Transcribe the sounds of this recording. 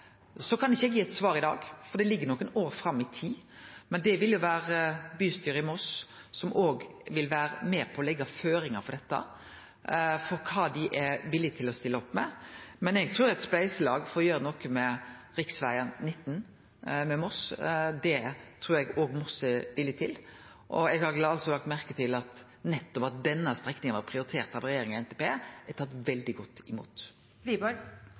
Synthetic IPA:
sɔkʰɑnɪçːəɛɡjiːɛt̪sʋɑːɾɪd̪ɑ̰ːɡfɔɾd̪ɛlɪɡːəɾnɔkːənoːɾfɾɑmːɪt̪ʰiːmɛnd̪ɛʋɪljʊʋæːɾəbyːst̪yːɾəɪmɔs | sɔmʔoːɡʋɪlʋæːɾə̰meːpʰɔːlɛɡːɑføːɾɪŋəfɔɾd̪ɛt̪ːə̰ | fɔɾkʰɑːd̪ɪʔɛʋɪlɪt̪ʰɪlɔst̪ɪlːəɔpːmɛmɛnɛɡt̪ʰɾuːɾɛt̪splæɪsəlɑːɡfoːjøːɾəɛnɔkːəmɛ | ɾɪksʋæɪənnɪt̪ːn | mɛmɔsd̪ɛt̪ʰɾuːɾɛɡoːɡmɔsəʋɪlɪt̪ʰɪl | ʔɔɛɡhɑɾlɑlsɔlɑkt̪mæɾkət̪ʰɪlɑt̪ | nɛt̪ːɔpɑt̪̚d̪ɛnːəst̪ʁɛknɪŋənʋɑɾpʰɾɪʊɾɪt̪ʰeːɾt̪ɑʋɾɛjeːɾɪŋɛnt̪ʰɛpʰeːɛt̪ʰɑːt̪ʋɛld̪ɪɡɔt̪ːɪmṵːt̪ | ʋibɔ

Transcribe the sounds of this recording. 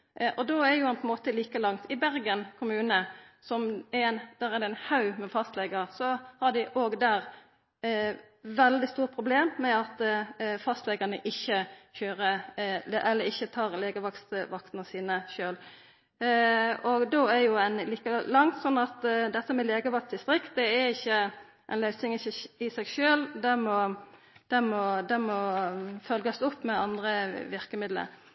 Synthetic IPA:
ʔɔd̪oːæɾjʊɛnpʰɔɛnmoːt̪əliːkəlɑŋt̪ʰɪbæɾɡənkʰʊmʉːnəsɔmɛnd̪̥æʁæd̪ɛɛnhɑʉmɛfɑst̪lɛɡəsɔhɑɖɪʔoːɡd̪æːɾ | ʋɛld̪ɪst̪uːɾ̚pʰɾʊbleːmːɛɑt̪fɑst̪lɛɡənəʔɪçːəçøːɾə | ʔɛlːəɪçːət̪ʰɑːʁleːɡəʋɑkst̪ʋɑk̚t̪nəsiːnəʃøːl | ɔɡd̪oːæɾjʊænliːkəlɑŋt̪sɔnːɑt̪d̪ɛt̪ːəmɛleːɡəʋɑkst̪ɪst̪ɾɪkt̪̚d̪ɛæɾɪçːə | ʔɛɪnlœʏsnɪŋɪçːəɪsɛɡʃøːld̪ɛmɔ | d̪̥ɛmɔd̪ɛmɔfœlɡəsʊpːmɛɑnd̪ɾəʋɪʁkəmɪd̪lə̰ɾ

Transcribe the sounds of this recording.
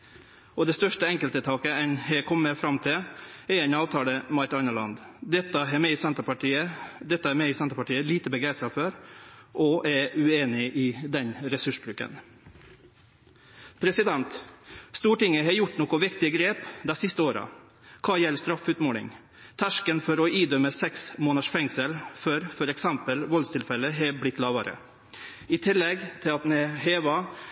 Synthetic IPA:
ɔd̪ɛst̪œʂʈəɛŋkəlt̪ət̪ʰɑːkəɛnhɛkʰɔmːəfɾɑmt̪ʰɪɛɛnɑːʋt̪ʰɑːləmɑɾt̪ɑnəɭɑnd̪d̪ɛt̪ːəɦɛmɛɪsɛnt̪əpɑʈiːəd̪ɛt̪ːəæmɛɪsɛnt̪əɾpɑʈiːəliːt̪əbəɡɾɛnsɑføɾʔɔʔɛʉeːnɪʔɪd̪ɛnɾɛsʉʂbɾʉːkə̰n | pʰɾɛsɪd̪ɛnt̪st̪uːʈɪŋːəɦɑjʊʈːnɔkʊʋɪkt̪ɪəɡɾeːpd̪ɛsɪst̪əoːɾɑ̰ | kʰɑːjɛlːst̪ɾɑfʉːt̪moːlɪ̰ŋ | t̪ʰæʂkənfɔɾɔʔiːd̪œməsɛksmoːnəʂfɛŋsəlfœɾfɔɾɛksɛmpəlʋɔlst̪ʰɪlfɛlːəɦɛblɪt̪ːlɑːʋɑɾə̰ | ɪt̪ʰɪlːɛɡt̪ʰɪlɑt̪nɛɦeːʋɑ

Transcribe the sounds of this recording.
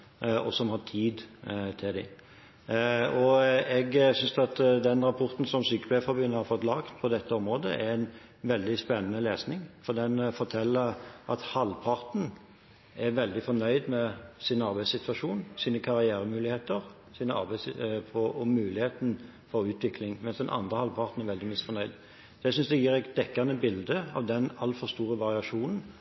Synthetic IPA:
ɔ̰sɔmhɑt̪ʰiːd̪t̪ʰɪld̪ɪ̰ | ɔɛɡsʏnsɑt̪d̪ɛnɾɑpʰɔɾt̪n̩sɔmsyːkəbæfɑbyːnəhɑɾfɔt̪lɑkt̪pʰɔd̪ɛt̪ːəɔmɾoːd̪ə̰ʔɛɾɛn | ʋɛld̪ɪspɛnːənəleːsnɪŋfɔd̪ɛnfɔt̪ʰɛlːəʔɑt̪hɑlpʰɑɾt̪n̩ | æʁʋɛld̪ɪfɔnœʏd̪mɛsɪnɑʁbæɪsɪt̪ʋɑʂuːnsiːnəkʰɑʁɪæːɾəmʉːlɪheːt̪əʁ | siːnəʔɑ̰ʁbæɪspʰɔɔmʉːlɪheːt̪n̩ | fɔɾʉːt̪ʋɪkʰlɪŋmɛnsd̪ɛnʔɑ̰nd̪ʁəhɑlpʰɑʁt̪n̩æɾʋɛld̪ɪmɪsfɔɾnœʏd̪ | d̪ɛsʏnsd̪ɛjiːʁæt̪d̪̥ɛkːɑnəbɪld̪əɑ̰ʋd̪ɛnɑlfɔʁst̪uːʁəʋɑʁɪɑʂuːnn̩

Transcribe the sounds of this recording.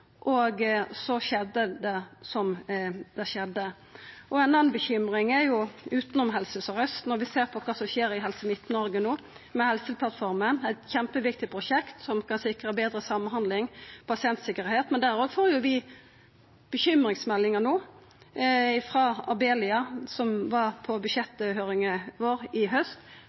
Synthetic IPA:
ʔɔɡsɔʃɛd̪ːəd̪ɛsɔmd̪ɛʂɛd̪ːə | ʔɔɛnɑnbəçʏmʁɪŋɛjʊʉːt̪nɔmɦɛlsəsɔɾœst̪nɔɾʋɪseːʁpʰɔkʰɑːsɔmʃeːɾɪɦɛlsəmɪt̪ːnɔɾɡənoː | mɛhɛlsəpʰlɑt̪fɔɾmənæɪt̪çɛmpəʋɪk̚t̪ɪpʰʁʊʃɛkt̪sɔmkɑnsɪkɾəbeːd̪ɾəsɑmːnɦɑnd̪lɪŋpʰɑsɪɛnt̪sɪkːəɾheːt̪mɛnd̪æɾoːɡfoːɾjʊʋɪ | b̥əçʏmɾɪŋsmɛlːɪŋənoː | ɪfɾɑːɑbeːlɪɑsɔmʋɑʁpʰɔbʉʃɛt̪ːəhøːɾɪŋəʋoːɾɪɦœst̪

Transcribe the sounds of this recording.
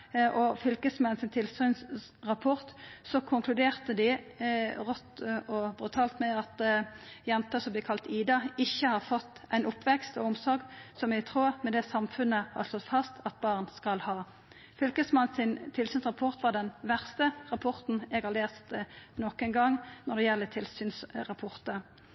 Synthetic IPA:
ʔɔfʏlkəsmɛnsɪnt̪ʰɪlsyːnsʁɑpʰɔʁt̪sɔkʰʊŋkʰlʉd̪eːʁt̪əd̪ɪ | ʁɔt̪ɔbʁʉt̪ʰɑːlt̪mɛɑt̪jɛnt̪ɑsɔmblɪkʰɑlt̪iːd̪ɑɪçːəhɑʁfɔt̪ːæɪnʊpːʋɛkst̪ɔ̰ʊmsɔɾɡsɔmjɛɡt̪ʰʁuːʁmɛd̪ɛsɑmfʉnːəhɑ̰ʁʂlɔt̪fɑst̪ɑt̪̚bɑːʁnskɑlhɑː | fʏlkəsmɑnsɪnt̪ʰɪlsyːnsʁɑpʰɔʁt̪ʋɑʁdɖɛnʋæʁst̪əʁɑpʰɔʁt̪n̩ɛɡhɑʁleːst̪nɔkːɛnɡɑŋnɔd̪ɛjɛlːət̪ʰɪlsyːnsʁɑpʰɔʁt̪ə

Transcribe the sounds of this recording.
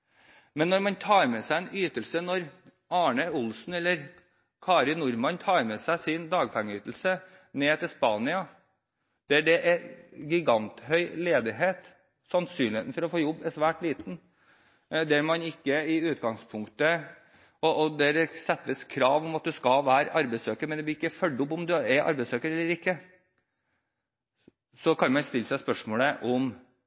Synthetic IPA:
mɛnːɔɾmɑnt̪ʰɑːɾmɛsæɪɛnyːt̪əlsənɔɾ | ɑːɳəʊlsn̩ɛlːəɾ | kʰɑːɾɪnʊɾmɑnt̪ʰɑːɾmɛsæɪsɪnd̪ɑːɡpʰɛŋːəyːt̪əl̩sə | neːt̪ʰɪlspɑːnɪɑ | d̪̥ɛæɖɛʔɛɡɪɡɑnt̪hœʏleːd̪ɪɦeːt̪ | sɑnsyːnlɪeːt̪n̩fɔɾɔfoːjɔbːɛsʋæːʈliːt̪n̩ | d̪ɛæɾmɑnɪkːəɪʉːt̪ɡɑŋspʰʊŋkt̪ə | ɔɔd̪ɛɖɛsɛt̪ːəskʰɾɑːʋɔmɑt̪̚d̪ʉskɑʋæːɾʔɑɾbɛɪsøːkəɾmɛnd̪ɛb̪lɪɾɪkːəfœlɖːʊpːɔmd̪ʉæɾʔɑ̰ɾbɛsøːkəɾɛlːəɾɪkːə | sɔkʰɑnmɑnst̪ɪlːsæɪspœʂmoːləʔɔm

